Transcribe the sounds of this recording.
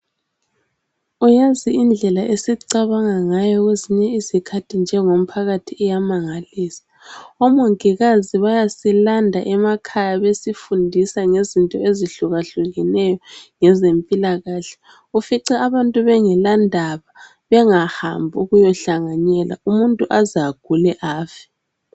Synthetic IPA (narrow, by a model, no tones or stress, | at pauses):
ujaziind͡ɮʱɛlaʔesiǀaβaŋaŋajɔɣweziɲɛizikʰatʰind͡ʒʱɛŋom̩pʰaɣatʰiɛjamaŋaliːsḁ | ɔmoŋkiɣaziβajasilandʱa̰ʔɛmakʰajaβesifundʱisaŋezintʼɔeziɬuɣaɬuɣinɛjɔŋɛzempʼilaɣaːɬɛ̥ | ufiǀɛaβantʼuβɛŋɛlandʱaβa | βɛŋaha̰mbʱuɣujɔɬaŋaɲɛla̰umuntʼuʔazaɡ̥ʱulɛʔaːfɛ̥